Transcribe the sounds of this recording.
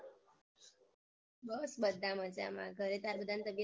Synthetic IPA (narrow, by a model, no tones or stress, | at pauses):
bəsbəd̪ʱːaməd͡ʑa̰ma̰ɡʱəɾet̪aɾbəd̪ãnt̪əbjə